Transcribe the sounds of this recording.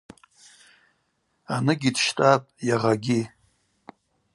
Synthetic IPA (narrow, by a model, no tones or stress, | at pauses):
anɨɡʲidʃtʼapʼjaʁaɡʲi